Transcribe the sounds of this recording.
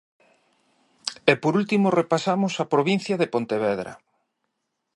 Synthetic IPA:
epoɾult̪imorepasamosɐpɾoβin̟θjɐðepont̪eβeðɾɐ̰

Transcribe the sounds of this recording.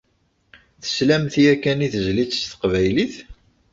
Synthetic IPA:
θə̥slæmθiækːæniθəzlit͡sːst̪ə̥qvæjliθ

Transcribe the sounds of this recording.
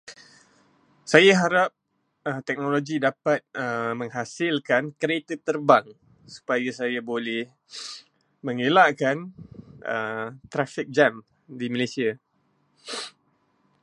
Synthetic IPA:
sajaɦaɾap̚ | ət̪ɛk̚noloɡidapat̪̚əmə̃ŋɦasɪlkankɾet̪ət̪ərbaŋ | su̥pajasajabolɛh | məŋelaʔkanə̰t̪ɾafɪk̚d͡ʒam | diməlesia

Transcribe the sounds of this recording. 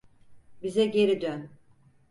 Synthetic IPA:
bizɛɟe̞ɾid̪øn

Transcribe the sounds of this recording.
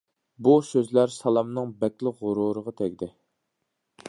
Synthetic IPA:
busøzlæɾsɑlˠɑmnɨŋbɛkʲlɪʁʊɾuɾəʁɑt̪ʰɛkʲd̪ɪ

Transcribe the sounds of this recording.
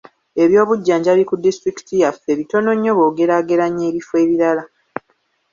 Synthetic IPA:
e̞βjo̞ːβuɟːaːɲɟalikudistɾiki̥tijafe̞βito̞no̞ɲːo̞βo̞ːɡe̞ɾaːɡe̞ɾaɲːeːβife̞ːβiɾala

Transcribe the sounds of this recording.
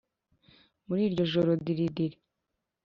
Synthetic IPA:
muɾiːɾɟo̞ʒoɾodiɾidiɾi

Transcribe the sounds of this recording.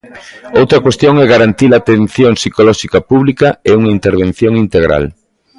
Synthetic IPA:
owt̪ɾɐkwest̪joŋɛɣaɾant̪ilat̪en̟θjoŋsikolɔʃikɐpuβlikɐeuŋɐint̪eɾβ̞ẽn̟θjoŋint̪eɣɾa̰l

